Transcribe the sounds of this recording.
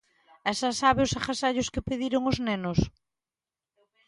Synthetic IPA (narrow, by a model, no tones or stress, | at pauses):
ɛsasaβeʊsaχasaʎʊskɪpeðiɾoŋʊznenʊs